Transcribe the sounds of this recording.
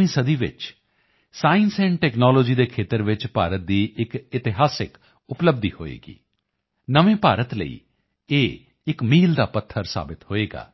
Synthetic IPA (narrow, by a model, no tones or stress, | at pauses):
ĩːsəd̪iːʋɪ̰t͡ʃ | saːɪnsɛ̃ːɳʈɛːknaːlɔːd͡ʒiːd̪eːkʰeːt̪əɾʋɪt͡ʃpaːɾət̪̚d̪iːʔɪkɪt̪ɪɦaːsɪk | ʊpləbd̪iːho̰ːḛːɡḭː | nəʋẽːpaːɾət̪lə̰ḭː | eː | ɪkmiːld̪aːpət̪ʰːəɾsa̰ːbɪt̪hoːeːɡa̰ː